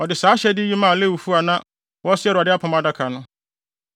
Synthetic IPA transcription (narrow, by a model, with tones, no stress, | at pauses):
ɔ˨dɪ˨saː˨˦ɕɛ˦dɪ˦ji˦mã˦˨le˦wu˨fu˦a˨nã˦ | wɔ˦sɪ˦ɛ˦ɾʊ˨a˨dɪ˦a˦pʰã˨ma˦da˦kʰa˨nʊ̃˦